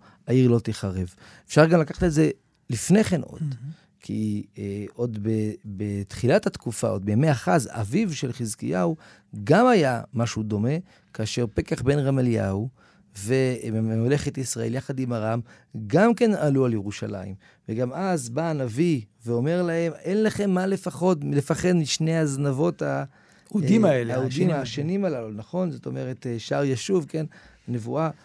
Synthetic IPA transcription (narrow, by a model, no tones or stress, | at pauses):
aiʁlo̞t̪iχaʁev | efʃaʁɡamlakaχḁt̪eze̞ | lifne̞χe̞nʔo̞̰d̥̪ | kʰḭ | ʔo̞d̪bebet̪χilat̪at̪kufa̰o̞d̪̚bejameaχaza̰vivʃelχizkijau | ɡamajamaʃud̪o̞me̞ | kaːʃe̞ʁpekaχbe̞nʁamalja̰u | vememle̞χetisʁaʔeljaχadimaʁam | ɡamke̞nalualjeʁuʃa̰la̰ḭm | veɡamazbanaviveo̞me̞ʁlahe̞me̞nlaχe̞mːale̞faχo̞dmlefaχe̞d̪miʃne̞jaznavo̞ta | udimaelaud̪imaʃenimalalunaχo̞nzot̪o̞me̞ʁe̞teʃaʁjaʃuvkenanevua